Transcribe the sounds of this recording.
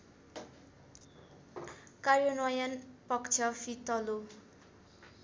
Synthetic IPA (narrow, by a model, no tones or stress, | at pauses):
karjonʌjʌnpʌkt͡sʰʌfʰit̪ʌlo